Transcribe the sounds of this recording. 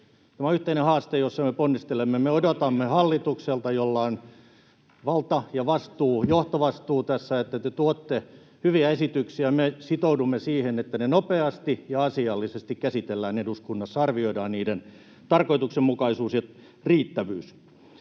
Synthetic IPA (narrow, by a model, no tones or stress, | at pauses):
t̪æmæyht̪einehɑːst̪ejosːɑmeponːist̪elemːemeodot̪ɑmːehɑlːit̪ukselt̪ɑjolːɑon | ʋɑlt̪ɑjɑʋɑst̪uːjoht̪oʋɑst̪uːt̪æsːæet̪ːæt̪et̪uot̪ːe | hyʋiæesit̪yksiæmesit̪oudumːesiːhenet̪ːænenopeɑst̪ijɑɑsiɑlːisest̪ikkæsit̪elːæːneduskunːɑsːɑɑrʋioidɑːnniːden | t̪ɑrkoit̪uksemmukɑisuːsjɑ | riːt̪ːæʋyːs